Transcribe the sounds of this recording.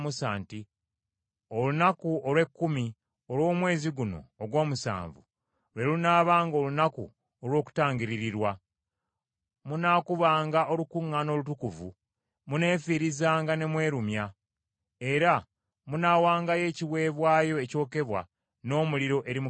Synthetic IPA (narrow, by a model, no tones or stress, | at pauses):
musaːnti | o̞lunakuo̞lwe̞kːumi | o̞lwo̞ːmwe̞ːziɡuno̞̰ːɡwo̞ːmusa̰ːɱvṵ | lwe̞lunaːβaːŋɡo̞ːlunakṵ | olwo̞ːku̥taːɲɟiɾiɾiɾwa | munaːkuβaːŋɡaʔo̞lukuŋːano̞ːlutukuvu | mune̞ːfiːɾizaːŋɡane̞mwe̞ːɾumja | e̞ɾa | munawaːŋɡaje̞ːciwe̞ːβwaːjo̞eco̞ːke̞βwa̰ | no̞ːmuliɾo̞ʔe̞ɾim